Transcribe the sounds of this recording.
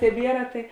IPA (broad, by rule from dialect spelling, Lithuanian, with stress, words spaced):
tʲɛˈbʲiɛrɐ tɐɪ